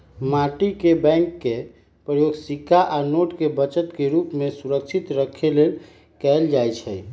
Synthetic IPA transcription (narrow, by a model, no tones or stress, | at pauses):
maʈikebɛ̃ŋkːe | pɾəjoɡsikaʔanoʈkebət͡ʃət̪keɾupmesuɾəkt͡ʃʰit̪ɾəkʰːelel | kɛeld͡ʒajt͡ʃʰɛ